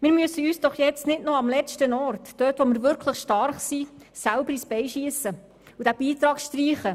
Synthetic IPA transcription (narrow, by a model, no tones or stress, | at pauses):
mɪːɾmyəsəyːsd̥ɔχjɛt͡stnɪdnoɑmlɛt͡ʃtənɔɾtd̥øːtʋɔmɪːɾʋʏɾkʰləχʃtɑrχsi | sælʊbəɾisbɛjʃiəsə | udæb̥iːtɾɑːkʃtɾiːχə